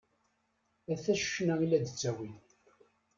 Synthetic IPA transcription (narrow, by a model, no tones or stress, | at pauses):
æθæʃə̥ʃnailːæðət͡sːæwi